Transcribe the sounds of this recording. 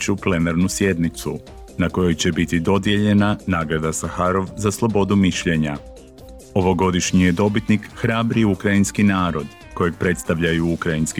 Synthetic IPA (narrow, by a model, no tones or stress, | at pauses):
t͡ʃuple̞naɾnusje̞d̪nit̪su | nako̞jo̞jt͡ɕe̞bit̪id̪o̞d̪je̞ʎe̞nanaːɡɾad̪asaxaɾo̞ʋzaslˠo̞bo̞d̪umiʃʎe̞ɲa | o̞ʋo̞ɡo̞d̪iʃɲije̞d̪o̞bit̪nikxɾaːbɾiukɾainskinaːɾo̞d̪ | ko̞je̞ɡ̚pɾe̞t̪st̪aʋʎajuukɾainski